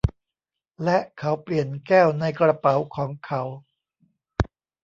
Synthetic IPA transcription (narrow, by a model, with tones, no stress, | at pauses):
lɛ˦˥ʔkʰa˦˥wpli˨˩ənkɛː˥˩wna˧jkɾa˧pa˩˦wkʰɔː˩˦ŋkʰa˦˥w